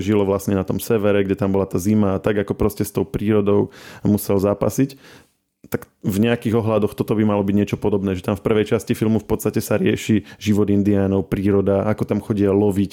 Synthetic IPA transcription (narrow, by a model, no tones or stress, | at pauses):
ʒilɔʋlasɲɛnat̪ɔmsɛʋɛɾɛɡɟɛt̪ambɔlat̪aːzimaːt̪aɡakɔpɾɔscɛst̪ɔʊpɾiːɾɔd̪ɔʊmusɛlzaːpa̰sic | t̪ak | vɲɛakiːɣɔɦlad̪ɔxt̪ɔt̪ɔbimalɔbiɟɲɪɛt͡ʃɔpɔd̪ɔbnɛːʒɛt̪amfpr̩ʋɛjt͡ʃascifilmufpɔt̪t͡sst̪acɛsaɾɪɛʃiʒiʋɔd̪ind̪iaːnɔʊpɾiːɾɔd̪aakɔt̪amxɔɟialɔʋic